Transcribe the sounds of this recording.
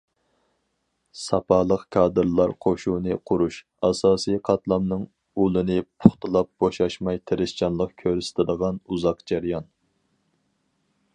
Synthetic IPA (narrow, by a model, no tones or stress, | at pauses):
sɑpʰɑlˠəqkʰɑːd̪ɨɾlˠɑɾqʰoʃunɨqʰʊɾuʃ | ɑsɑːsijqʰɑt̪lˠɑmnɨŋ | ulˠɨnɨpʰʊχt̪ɨlˠɑp̚b̥oʃɑʃmɑjt̪ʰeɾɪst͡ʃʰɑnlˠəq̚kʲʰøɾst̪ʰɪd̪əʁɑnuzɑqd͡ʒæɾjɑn